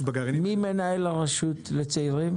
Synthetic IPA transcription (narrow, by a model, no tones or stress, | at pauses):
baɡaʁmimenaelaʁaʃut̪let͡saiʁim